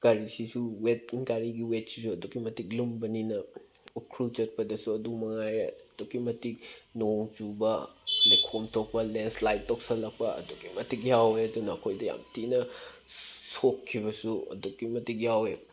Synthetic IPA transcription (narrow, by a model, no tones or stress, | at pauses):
kaɾisisuwet̚nkaɾiɡiwet̚sisuɐdukːimɐtik̚lumbɐninɐukʰɾut͡ʃɐt̚pɐdɐsuɐdukmɐŋajɾḛɐdukːimɐtik̚noŋt͡ʃubɐlekʰomtʰok̚pɐlenslajtːok̚sɐlɐk̚pɐɐ̰dokimɐtik̚jaweɐdunɐːkʰojdɐja̰mtinɐ | sokʰːibɐsuɐ̰dukːimɐtik̬̚jawe